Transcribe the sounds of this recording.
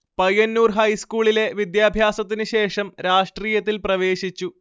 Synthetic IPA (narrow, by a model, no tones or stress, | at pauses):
pɐjɐnːuːrɦɐjskuːɭile̞ʋid̪jaːbʱjaːsɐt̪̬ːinɨɕe̞ːʂɐmɾaːʂʈriːjɐt̪̬ːilprɐʋe̞ːɕit͡ɕːu